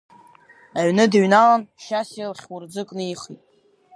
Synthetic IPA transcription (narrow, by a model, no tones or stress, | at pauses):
aɥnɨdɥnalanʃasjlχʲwʊrd͡zɨkʼnɨiχitʼ